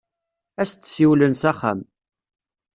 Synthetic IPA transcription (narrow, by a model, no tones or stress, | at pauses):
æst̪ːsiwlənsæχæ̰m